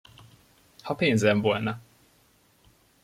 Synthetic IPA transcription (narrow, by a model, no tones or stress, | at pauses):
hɒpeːnzɛɱvo̞lnɒ